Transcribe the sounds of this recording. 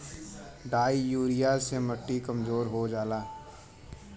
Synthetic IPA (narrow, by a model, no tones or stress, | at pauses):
ɖaːijuːɾɪjasemɐʈːikɐmzoːɾɦod͡ʒaːlaː